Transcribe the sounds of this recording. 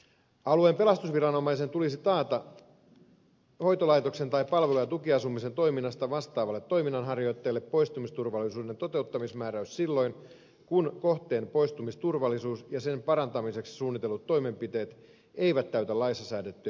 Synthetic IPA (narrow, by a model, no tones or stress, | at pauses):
ɑlue̞mpe̞lɑst̪usʋirɑno̞mɑjse̞nt̪ulisit̪ɑːt̪ɑ | ho̞jt̪olɑjt̪o̞kse̞nt̪ɑjpɑlʋelujɑt̪ukiɑsumise̞nt̪o̞jminːɑst̪ɑʋɑst̪ɑːʋɑlːet̪ːo̞jminːɑnɦɑrjo̞jt̪ːe̞ːlːe̞pːo̞jst̪umist̪urʋɑlːisuːde̞nt̪o̞t̪e̞ut̪ːɑmismæːɾæyssilːo̞jn | kunko̞ht̪e̞ːnpo̞jst̪umist̪urʋɑlːˑisuːsjɑse̞mpɑɾɑnt̪ɑmise̞ksi̥suːnːit̪elːut̪ːo̞jme̞mpit̪e̞ːt̪ | e̞jʋæt̪ːæyt̪ælɑjsɑsæːdet̪ːyæ